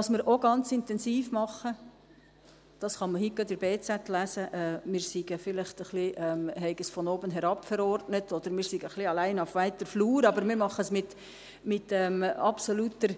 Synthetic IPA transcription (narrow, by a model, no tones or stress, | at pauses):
ɑsmɪːɾʔoɡɑnt͡sɪntɛnsiːfmɑχːə | d̥ɑsχɑməhikːədəɾbeːt͡sætlæsəʔɛːmɪːɾsiɡəfɪlɪχtəχliʔɛmɦɛɪɡəsfɔnoːbənɦɛɾɑpfəɾɔrtnətʰɔd̥̪əɾmɪːɾsiɡəχliɑlæɪnafʋæɪtːəfluːɾɑbəɾmɪːɾmɑχːəsmɪt | mɪtɛːmɑpsolutəɾ